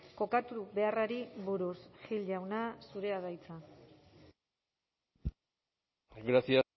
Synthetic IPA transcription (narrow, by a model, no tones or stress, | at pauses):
ko̞kat̪uβe̞araɾiβuɾusxild͡ʑawnasuɾe̞aðajt͡sa | ɡɾasia